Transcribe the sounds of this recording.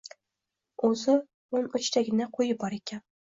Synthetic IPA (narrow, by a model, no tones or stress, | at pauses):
ozɪ | ʊnɵt͡ʃt̪ʰæɡʲɪnaqʰojɪbɒɾekʲʰæn